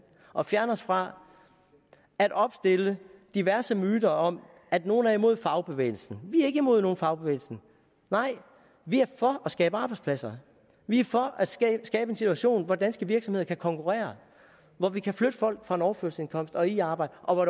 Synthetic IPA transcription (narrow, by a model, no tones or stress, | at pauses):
ʔɒ̽fjæɐnəɒsfʁɑ̈ | æd̥ɒ̽b̥sd̥e̝ləd̥iʋæɐsəmyːd̥ɐɒ̽m | æd̥no̝ːn̩æɐimo̝ð̞̰ˠfɑ̈ʊb̥e̝ʋḛːɪl̩sn̩ʋiæɐe̝ɡ̥əimo̝ð̰ˠno̝ːn̩fɑ̈ʊb̥e̝ʋḛːlsn̩ | nɑ̈ɪ̰ | ʋiæɐfɒ̽ɒsɡ̥ɛːb̥əɑ̈ːb̥ɑ̈ɪ̥spʰlæsɐ | ʋiæɐfɒ̽ʔæd̥sɛsɡ̥ɛːb̥əe̝nsit͡sʰuæɕo̝̰ːnʋɒd̥ænsɡ̥əʋiɐɡ̥sɒmhe̝ð̰ˠɐkʰækʰɒ̽ŋkʰuʁɛ̰ːɐ | ʋɒʋikʰæflød̥əfɒ̽l̰ɡ̥fʁɑ̈e̝nɒʊɐføɐsəse̝nkʰɒ̽m̰sd̥ɒ̽iɑ̈ːb̥ɑ̈ɪdəʔɒ̽ʋɒ